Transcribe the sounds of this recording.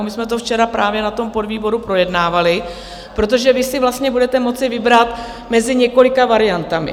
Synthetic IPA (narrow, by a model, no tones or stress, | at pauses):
mɪsmɛt̪̬oft͡ʃɛɾapɾaːvjɛnat̪o̞mpo̞dviːbo̞ɾupɾo̞jɛdnaːvalɪ | pɾo̞t̪̬o̞ʒɛvɪsɪvlast̪ɲɛbudɛt̪ɛmo̞t͡sɪvɪbɾat̪ | mɛzɪɲɛko̞lɪkavaɾɪjant̪amɪ̰